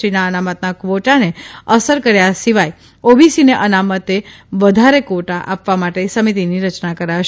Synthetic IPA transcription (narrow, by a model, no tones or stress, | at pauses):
ɾinaənamət̪nakʋoʈaneəsəɾkəɾjasiʋaj | obisineʔənamət̪eʋəd̪ʱaɾekoʈaʔa̰pʋamaʈesəmit̪̬iniɾət͡ʃnakəɾaʃ